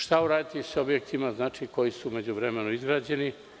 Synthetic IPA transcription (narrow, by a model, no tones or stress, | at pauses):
ʃt̪auɾaːd̪it̪iso̞bjekt̪imaznaːt͡ʃiko̞jisuːme̞d͡ʑuʋvɾe̞me̞nuizɡɾaːd͡ʑe̞ni